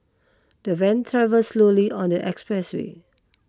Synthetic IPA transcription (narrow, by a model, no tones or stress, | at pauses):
d̥əvɛ̃nt̪ʰɹavəlsloliɔ̃ndəʔɛkspɹɛswḛ